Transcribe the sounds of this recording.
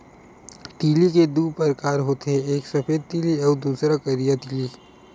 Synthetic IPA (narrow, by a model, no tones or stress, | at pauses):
ʈ̪iːliked̪uːpɐɾkaːɾɦoːt̪eɦɛeːksɐpʰeːd̪̚t̪iːliɔːd̪uːsɾakɐɾijat̪iːli